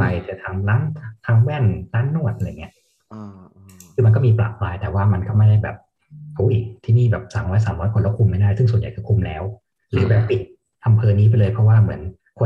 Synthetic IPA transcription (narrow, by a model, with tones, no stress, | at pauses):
a˧jt̪ɛ˨˩t̪ʰaː˧ŋlaː˦˥nt̪ʰaː˧˥ŋwɛː˥˩nlaː˦˥nːu˥˩ət̪̚ʔŋːi˦˥ʔ | kʰɯː˧m˧nk̬ɔ˥˩miː˧pla̰ː˨˩p̚ʰlaː˧jt̪ɛː˨˩waː˥˩ma˧nkɔː˥˩ma˥˩jda˥˩jbɛː˨˩p̚ | ʔu˦˥˩jt̪ʰiː˥˩niː˥˩bɛː˨˩p̚saː˩˦ŋɾɔː˦˥jsaː˩˦mɾɔː˦˥jkʰo˧lɔ˦˥˩kʰu˧mːa˥˩jdaː˥˩jsɯ˥˩ŋsu˨˩˦nja̰˨˩jkɔː˥˩kʰu˧mlɛ̰ː˦˥w | lɯː˩˦bɛː˨˧˩pi˨˩t̪̚ | ʔa˧mpʰɤː˧niː˦˥p̬a˧jlɤː˧jpʰɔ˦˥waː˥˩mɯ˩˦ən | kʰo˧